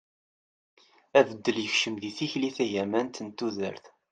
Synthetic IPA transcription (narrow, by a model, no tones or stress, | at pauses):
ævəd̪ːəljəçʃəmðiθiçliθæjæmænt̪ənt̪ːuðə̰ɾθ